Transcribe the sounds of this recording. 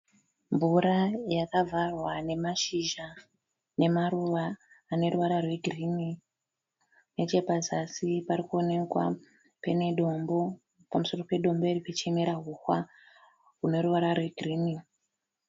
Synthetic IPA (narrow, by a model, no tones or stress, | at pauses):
mbvuɾajakavʱarwane̞maʃiʒa | ne̞maɾuʋaː | ne̞ɾuʋaɾarwe̞ɡʱrimi | ne̞t͡ʃe̞pazasipaɾikuone̞kwa̰ | pe̞ne̞ɗo̞mbo̞ | pamuso̞ro̞pe̞ɗo̞mbo̞irikut͡ʃemeɾaɦuxwa | ɦune̞ɾuʋaɾarwe̞ɡʱriːmi